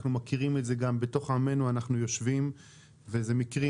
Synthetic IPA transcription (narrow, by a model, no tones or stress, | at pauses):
χnumakiʁimeze̞ɡambeto̞χame̞nuanaχnujo̞ʃvim | vezemikʁi